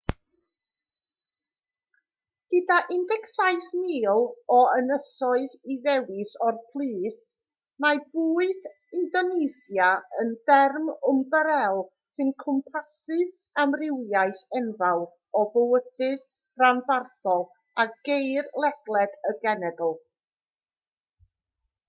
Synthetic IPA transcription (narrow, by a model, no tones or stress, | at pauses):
ɡ̥ədaʔɪndɛksajθnɪːlˠɔənəsɔɨðiðɛwɪsɔrpʰlˠiːθ | mabuːɨd | ɪndɔnesjaənd̥ɛrmʊmbəɾɛlˠ | sɨnkʰʊmpʰasɨv | amrɪwjajθɛnvalˠ | ɔbəwəd̥ɨð | ranbarθɔlˠ | aɡ̥ejrlˠɛɡlˠɛdəɡɛnɛdl̩ˠ